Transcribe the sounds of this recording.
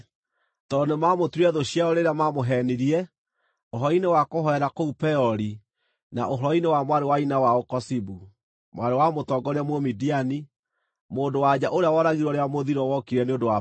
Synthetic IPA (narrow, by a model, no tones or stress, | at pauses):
tɔnemamotwɛðoɕiaɔɾeɾeamamoɦɛniɾiɛ | oɦɔinewakoɦɔɛɾakoupɛɔɾi | na̰ʔoɦɔɾɔinewamwaɾewainawaokɔsibu | mwaɾewamotɔɡɔɾeamomidiani | moːndowad͡ʑaʔoɾeawɔɾaɣiɾwɔɾeamoðiɾɔwɔkiɾɛneondowa